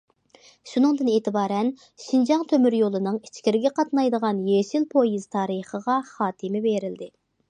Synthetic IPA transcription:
ʃunɨŋd̪ɨneːt̪ɨbɑːɾɛn | ʃind͡ʒɑŋt̪ʰømyɾjolˠɨnɨŋi̥t͡ʃʰkʲiɾɪɡʲɛqʰɑt̪nɑjd̪əʁɑnjeʃilpʰojiz̥t̪ʰɑːɾəχəʁɑχɑːt̪ʰɨmɪbeɾɪld̪ɪ

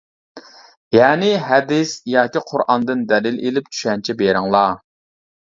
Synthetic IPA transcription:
jɛːnɪɦɛd̪ɪsjɑːkʲiqʰʊɾʔɑnd̪ɨnd̪ɛlɪlelɪp̚t͡ʃʰy̥ʃɛnt͡ʃʰɛbeɾɪŋlˠɑ

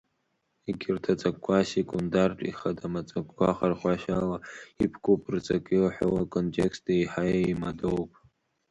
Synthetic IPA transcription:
eɡʲirtʰat͡sʼakkʷʰːasekʼundartʼḭχadamat͡sʼakʷkʷaχarχʷaʃalaipʰkʰʷʼupʼrt͡sʼakʼilħʷowakʰʼontʼekstʰʼeiħajaimadowpʼ

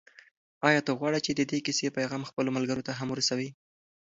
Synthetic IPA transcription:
ɑjɑt̪oɣwɑɽət͡ʃed̪əd̪ekisepajɣɑmxpəlomalɡəɾot̪aɦamɾasawi

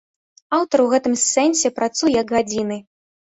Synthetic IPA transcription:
awt̪ɐrwɣɛt̪ɨmsːɛnʲsʲɛpɾat̪sujɛjɐkɣad͡zʲinɨ

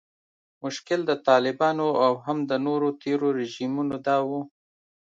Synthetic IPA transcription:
mʊʃkɪld̪ət̪ɑlɪbɑnoawɦamd̪ənoɾot̪ʰeɾoɾɪʒimunod̪ɑwu

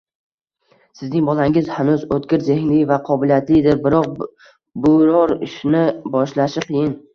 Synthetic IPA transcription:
sɪznɪŋbɒlaŋɪzhanʊzot̪kʲɪɾze̞hnlɪjvaqʰɒbɪlijat̪lɪd̪ɪɾbɪɾɒq̚ | bʊɾɒɾɪʃnɪbɒʃlaʃɪqʰɨjɪn

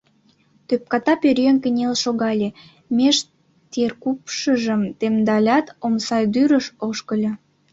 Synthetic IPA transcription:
t̪øp̚kɑt̪ɑpøɾeŋkənʲelʃoɣɑlʲe | mʲeʃ | t̪erkupʃəʒəmt̪emd̪ɑlʲɑt̪omsɑjd̪yɾəʃoʃkəlʲɤ

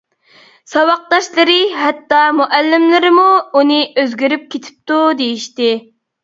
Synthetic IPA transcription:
sɑwɑq̚d̪ɑʃlˠɨɾɨɦɛt̪ːɑmuʔælːɪmlɪɾɪmuunɨʔøzɡʲyɾyp̚kʲʰet̪ʰɪ̥p̚t̪ud̪ejiʃt̪ɪ

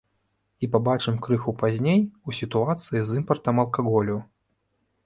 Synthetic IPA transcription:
ipabat͡ʂɨmkɾɨxupazʲnʲejusʲit̪uat̪sɨjizɨmpɐrt̪ɐmɐlˠkaɣɔlʲu

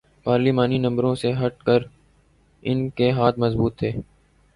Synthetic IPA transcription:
paːɾliːmaːninɐ̃mbɾõseɦɐʈ̚kəɾ | ɪnkeɦaːt̪ʰməzbuːt̪ʰːeː

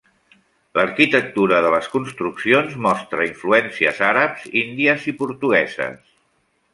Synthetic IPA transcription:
ləɾkit̪ək̚t̪uɾəðələskunst̪ɾuksionzmɔst̪ɾəiɱfluɛnsiə̰zaɾəpz̥ind̪iəzipuɾt̪uɣɛzə̰s

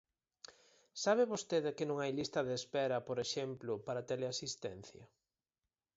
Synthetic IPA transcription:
saβ̞eβost̪eðɪkɪnõŋajlist̪ɐðeːspɛɾɐpoɾeʃemplʊpaɾɐt̪eleasist̪ɛn̟θjɐ̰

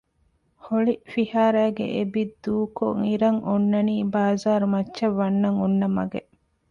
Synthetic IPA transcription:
hoɭifihaːɾæːɡḛʔebid̪uːko̰ŋiɾɐŋʔonːɐniːbaːzaːɾumɐt͡ʃːʃɐʋːɐnːɐŋonːɐmɐ̰ɡeʔ

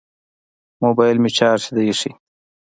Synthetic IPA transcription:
moːbajlmit͡ʃaːɾsid̪ɐjiʂi

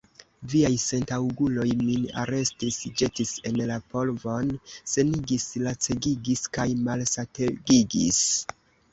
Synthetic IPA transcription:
viajse̞ntawɡulo̞jmina̰ɾe̞stisd͡ʒe̞tise̞nlapo̞lvo̞nse̞niɡislat͡se̞ɡiɡiskajmalsateɡiɡḭs

